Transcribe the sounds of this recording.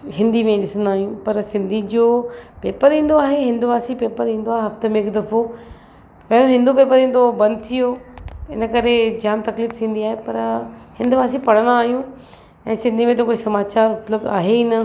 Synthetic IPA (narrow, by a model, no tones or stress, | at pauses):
ɦɪ̃nd̪ʱimẽɗɪsə̃nd̪aːɦijũpɐɾsɪ̃nd̪ʱid͡ʑoːpeːpəɾɦĩːn̆d̪oaːɦeɦɪ̃nd̪uʋaːsipeːpəɾɦĩːn̆d̪oaːɦeɦɐft̪əmẽɪkd̪ɐfo | pɐɽõɦɪ̃nd̪upeːpəɾĩːn̆d̪obɐ̃nd̪̚t̪ʰijoɪnə̆kɐɾed͡ʑaːmt̪ɐkliːft̪ʰĩːnd̪iaːɦepɐɾhɪ̃nd̪uʋaːsipɐɽ̤̃ə̃nd̪aːɦijũ | ɛ̃ːsɪ̃nd̪ʱimẽt̪okoːisɐmaːt͡ɕaːɾʊt̪ləb̪aːɦeinə